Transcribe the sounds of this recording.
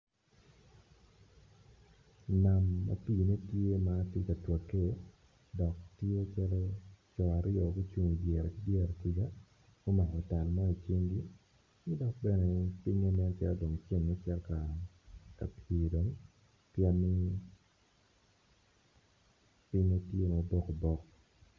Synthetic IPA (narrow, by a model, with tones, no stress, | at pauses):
na˨mːa̰˨pi˦˨ne˦tje˦ma˦te˦ka˨twa˨kːe˦ | dɔ˨k̚tje˦t͡ʃa˦lo˦t͡ʃɔ˨a˨ɾɪ˦ɔ˨ɡo˦t͡ʃu˦ŋu˨d͡ʒjɛ˨ɾki˦djɛ˦ɾki˦ɡa˦ | ɡ̥o˦ma˨kɔ˨ta˨lmɔ˦i˨t͡ʃi˦ŋɡi˦ | nɪ˦dɔ˨k̚bɛ˦nɛ˨pi˦ɲo˦mɛ˦n˦t͡ʃɛ̰˦ldo˨ŋt͡ʃe˦ŋni˦t͡ʃɛ˦lka˨ | ka̰˨pʰi˨do˨ŋ | pjɛ˦nːɪ˦ | pi˦ɲo˦tje˦ma˨bɔ˦ko˨bɔ˦k